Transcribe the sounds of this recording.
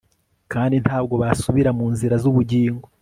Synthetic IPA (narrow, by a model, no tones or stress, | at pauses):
kaːndin̥haːbɡo̞βasuβiɾamuːnziɾazuβuɟiːŋɡo